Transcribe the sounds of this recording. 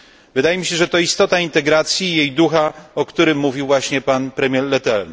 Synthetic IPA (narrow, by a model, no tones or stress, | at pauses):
vɘd̪ajɛmʲiɕɛʐɛt̪ɔist̪ɔt̪aint̪ɛɡɾat̪sʲjiːjejd̪uxaɔkt̪uɾɘmːuvʲiwvwaɕɲɛpanpɾɛmʲjɛɾlɛt̪ɛln